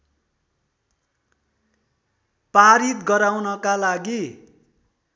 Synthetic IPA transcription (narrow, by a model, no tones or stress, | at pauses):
paɾit̪ɡʌɾawnʌkalaɡi